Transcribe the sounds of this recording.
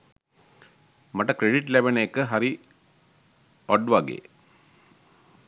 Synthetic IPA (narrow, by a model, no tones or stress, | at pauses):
maʈəkɾeɖiʈlæbeneekəɦaɾi | ɔɖʋaɡḛː